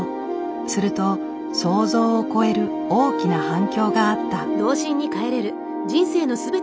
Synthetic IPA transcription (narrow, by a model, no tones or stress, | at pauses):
sɨɾɯ̟t̪o̞ | so̞ːzo̞ːoko̞e̞ɾɯ̟ | oːkʲinahãŋkʲo̞ːɡaːt̪ːad̪o̞ːʑĩɲ̟ːikae̞ɾe̞ɾɯ̟ | d͡ʑĩɰ̃se̞ːno̞sɨbe̞